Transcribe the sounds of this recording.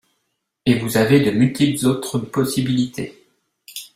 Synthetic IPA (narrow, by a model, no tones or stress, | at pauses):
evuzaved̪əmylt̪ʰitzot̪χəpɔsibilit̪ʰe